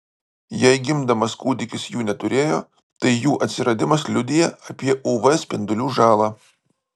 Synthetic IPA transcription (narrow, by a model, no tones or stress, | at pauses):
jɛɪɡʲɪmd̪ɐmɐskuːd̪ʲɪkʲɪsjuːnʲɛt̪ʊɾʲeːjoː | t̪ɐɪjuːʔɐt̪ʲsʲɪɾɐd̪ʲɪmɐslʲʊd̪ʲɪjɛɐpʲiɛʔuʋɐsʲpʲɪnd̪ʊlʲuːʒɑːlˠɑː